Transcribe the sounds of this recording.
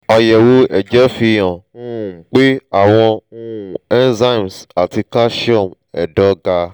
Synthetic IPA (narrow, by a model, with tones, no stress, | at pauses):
ɔ˧jɛ˨wo˦ɛ˨d͡ʒɛ˦fi˧jã˨n̩˦˨k͡pe˦a˨w̃ɔ̃˧n̩˦ũ˨ɛ˦nza˦˨m˨sa˨ti˧ka˦ʃɔ˦˨m˨ɛ˨dɔ˦ɡa˧